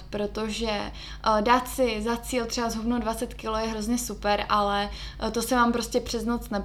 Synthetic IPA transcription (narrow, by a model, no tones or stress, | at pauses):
pɾo̞t̪o̞ʒɛ | daːt̪sɪzat͡siːlt̪r̥ɛbazɦubnodvat͡sɛt̪kɪlojɛɦɾo̞zɲɛsupɛɾʔalɛ | t̪o̞sɛmaːmpɾo̞scʲɛpr̥ɛznot͡snɛ